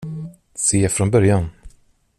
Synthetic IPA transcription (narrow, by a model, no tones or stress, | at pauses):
seːfɾɔnbœɾjan